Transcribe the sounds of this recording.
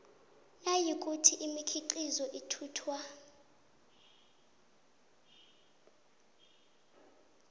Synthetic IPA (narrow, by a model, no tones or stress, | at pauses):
najik̬ʼutʰiʔimikʰiǃizɔʔitʰuːtʰwa